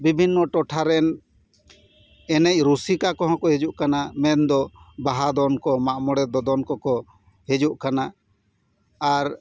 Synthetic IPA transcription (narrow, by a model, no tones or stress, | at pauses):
bibʱinːɔʈɔʈʰaɾɛn | ɛnɛc̚ˀɾusikakɔɦɔ̃kɔɦed͡ʒuʔkanamɛnd̪ɔbaɦad̪ɔnkɔmaʔmɔɽɛd̪ɔd̪ɔnkɔkɔ | hed͡ʒuʔkana | aɾ